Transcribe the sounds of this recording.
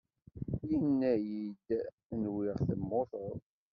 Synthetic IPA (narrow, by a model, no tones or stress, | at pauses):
jinːæjid̪ | nwɪʁθəmːoθəðˤ